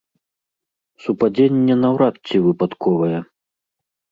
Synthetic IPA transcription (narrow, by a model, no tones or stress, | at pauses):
supad͡zʲenʲːɛnɐwɾatt͡sʲivɨpat̪kʰɔvɐjɛ